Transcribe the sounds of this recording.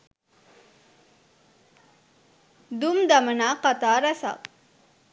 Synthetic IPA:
d̪umd̪ɐmɐnaːqat̪aːɾɐsa̰k

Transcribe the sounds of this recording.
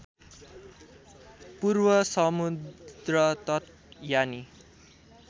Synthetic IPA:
purwʌsʌmud̪rʌt̪ʌt̪ | jani

